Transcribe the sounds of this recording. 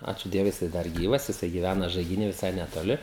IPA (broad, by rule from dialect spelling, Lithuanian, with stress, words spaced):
ˈɑːt͡ʃʲuː ˈdʲiɛʋʊɪ jɪˈsɐɪ ˈdɐr ˈɡʲiːʋɐs jɪˈsɐɪ ɡʲɪˈʋʲænɐ ʒɐɪɡʲɪˈnʲiː ʋʲɪˈsɐɪ nʲɛtoːˈlʲɪ